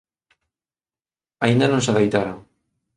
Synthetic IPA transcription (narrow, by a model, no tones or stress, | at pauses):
aind̪anõŋsaðejt̪aɾoŋ